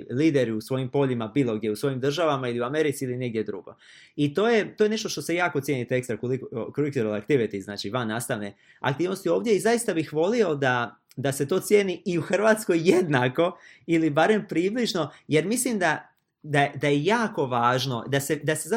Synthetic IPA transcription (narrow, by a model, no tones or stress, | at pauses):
liːd̪e̞ɾiusʋo̞jimpo̞ʎimabiːlˠo̞ɡd̪je̞usʋo̞jimd̪r̩ʒaʋamailiuame̞ɾit̪siiline̞ɡ̚d̪je̞d̪ɾuɡo̞̰ | it̪o̞ːje̞t̪oje̞ne̞ʃt̪o̞ʃt̪ose̞jaːko̞t̪je̞ːnit̪eekst̪ɾakolikkoɾik̪ɾolakt̪iʋit̪izna̰ːt͡ʃiʋanːaːst̪aʋne̞ | a̰kt̪iːʋnost̪io̞ːʋd̪je̞izaist̪abixʋo̞lio̞d̪a | d̪aset̪o̞ːt̪sje̞ːniiuxr̩ʋaːt̪sko̞jːed̪nako̞ | ilibaɾe̞mpɾiːʋliʒno̞je̞ɾmislimd̪a | d̪ad̪ajejaːko̞ʋaːʒno̞d̪ase̞d̪aseza